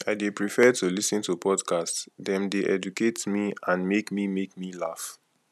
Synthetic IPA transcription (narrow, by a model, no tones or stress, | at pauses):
aɪdepɹifɛtulisĩntupʰɔdkʰastsdɛ̃mdeʔɛ̰duketmiãnmekmimek̚mila̰f